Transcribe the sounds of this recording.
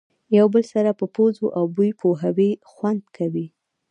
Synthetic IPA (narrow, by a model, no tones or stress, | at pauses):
jawbəlsaɾapəpozoʔawbujpʰoɦawexwand̪kʰawi